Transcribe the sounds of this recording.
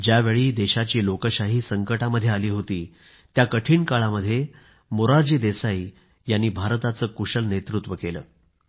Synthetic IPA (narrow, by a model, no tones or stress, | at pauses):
d͡ʑjaʋeɭiːd̪eɕat͡ɕiːlokəɕaɦiːsəŋkəʈaməd̪ʱːjealiːɦot̪iː | t̪jakəʈʰiːɳkaɭaməd̪ʱːje | moɾaɾd͡ʑiːd̪esaiː | janːiːbʱaɾt̪at͡səːkuɕəlnet̪ɾut̪ʋəkelə̰ː